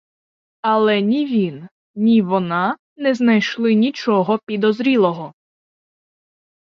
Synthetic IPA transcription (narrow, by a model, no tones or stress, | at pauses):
ɐlˠɛnʲiʋʲin | nʲiʋɔnɑ | nɛznɐjʃlˠɪnʲit͡ʃɔɦɔpʲid̪ɔzɾʲilˠɔɦɔ